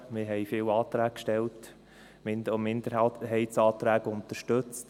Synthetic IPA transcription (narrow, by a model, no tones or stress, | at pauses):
mɪɾɦɛjfɪːwɑːt̪ɾæːk̚kʃtɛlt | mɪnɔmɪnd̪əaɦɛɪtt͡sɑːt̪ɾæːɡʊnt̪əɾʃtɵt͡st